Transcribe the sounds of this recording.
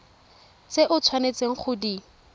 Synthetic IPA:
t͡seʔʊt͡sʰwanet͡seŋ̩χʊdi

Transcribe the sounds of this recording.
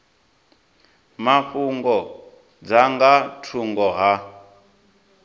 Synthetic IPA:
maɸuŋɡɔ | d͡zaŋɡatʰuŋɡɔɦa

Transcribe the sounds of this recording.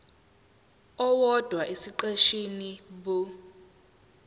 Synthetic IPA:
ɔwɔd̥ʱwaʔesiǃeʃinibo

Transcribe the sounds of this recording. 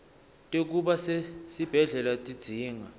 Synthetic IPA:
tʼek̬ʼuɓasesib̥ʱɛɮɛlatʼid̥z̥ʱiːŋa

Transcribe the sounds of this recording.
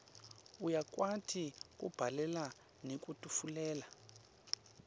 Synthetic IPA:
ujakwatʰikʼṵb̥ʱalɛla | nek̬ʼutʼufulɛːla

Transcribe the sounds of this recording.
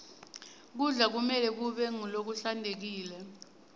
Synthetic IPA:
k̬uɮak̬umɛlɛk̬uɓɛŋulok̬uɬandʱek̬iːlɛ

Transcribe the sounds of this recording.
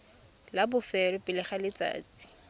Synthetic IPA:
labʊfɛɾɔpʼɪlɪχalɪt͡sa̰ːt͡sʼi̥

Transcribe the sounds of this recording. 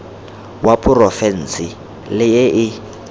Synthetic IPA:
wapʼʰurɔfɛn̩si | lɪjɛʔɪ

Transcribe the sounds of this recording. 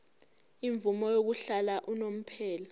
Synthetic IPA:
iɱvumɔjok̬uɬalaʔunom̩pʰɛːla

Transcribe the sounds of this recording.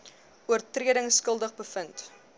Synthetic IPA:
uərtriəɾəŋskəlˠdəχbəfənt

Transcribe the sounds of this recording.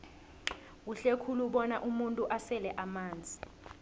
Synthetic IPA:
k̬uɬekʰuluɓɔnaʔumuntʼuʔasɛlɛʔamaːnd͡zʱi

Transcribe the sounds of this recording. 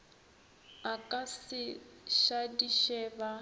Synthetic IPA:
akʼasɪʃadiʃɛba

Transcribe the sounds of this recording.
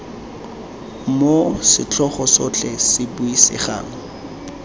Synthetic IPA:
mosɪt͡ɬʰɔχɔsɔt͡ɬʰɛsɪbʊisɪ̰χa̰ːŋ̩

